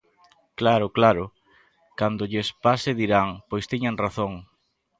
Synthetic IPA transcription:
klaɾʊklaɾʊ | kand̪ʊʎɪspasɪðiɾaŋpojst̪iɲaŋraθoŋ

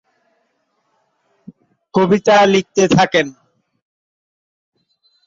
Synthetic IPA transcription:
kobit̪alik̚t̪et̪ʰaken

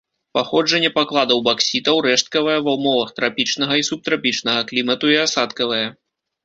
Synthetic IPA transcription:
paxɔd͡ʐɐnʲːɛpaklˠad̪ɐwbaksʲit̪ɐwɾɛʂt̪̚kɐvɐjɛvɐwmɔvɐxt̪ɾapʲit͡ʂnɐɣɐisup̚t̪ɾapʲit͡ʂnɐɣɐklʲimɐt̪uiasat̪kɐvɐjɐ

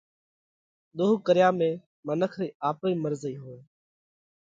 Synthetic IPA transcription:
ɗ̪ʊɦukəɾɪjãːmẽː | mənəkʰɾiːaːpiːməɾziːɦoːeː

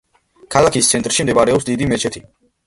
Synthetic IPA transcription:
kʰalˠakʰist̪sʰɛnt̪ʼɾʃimd̪ɛvaɾɛɔpsd̪id̪imɛt͡ʃʰɛt̪ʰi

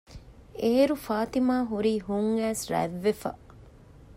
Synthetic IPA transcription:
eɾufaːt̪imaːɦuɾiːhuŋæːsɾæ̰ʋːefɐ̰

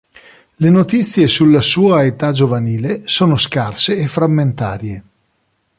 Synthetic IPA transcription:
lenot̪it̪sːjesulːasuːaet̪ad͡ʒovaniːlesoːnoskarseːfɾamːent̪a̰ːɾje

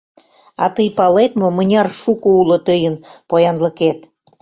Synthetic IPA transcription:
ɑ̰t̪əjpɑlet̪momənʲɑrʃukoulot̪əjənpojɑnləket̪

